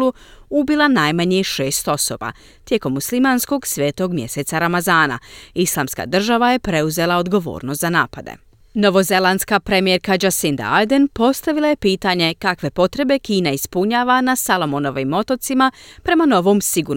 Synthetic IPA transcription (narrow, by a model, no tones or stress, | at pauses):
uubilˠanajmaɲeʃeːst̪o̞so̞ːba̰ | t̪je̞ko̞mːuslimansko̞ɡsʋe̞ːt̪o̞ɡmje̞se̞t̪saɾamazaːna̰islˠaːmska̰ːd̪r̩ʒaʋaje̞pɾe̞uze̞lˠao̞d̪ɡo̞ʋo̰ːɾnost̪zana̰ːpad̪ḛ | no̞ʋo̞ze̞lˠanskapɾe̞mijeɾkad͡ʒasind̪a̰ajd̪enpo̞st̪aʋilˠaje̞piːt̪aɲe̞kakʋe̞po̞t̪ɾe̞be̞kiːnaispuɲaːʋanasalˠo̞mono̞ʋimo̞t̪o̞t̪simapɾe̞mano̞ʋo̞ːmsiɡuɾ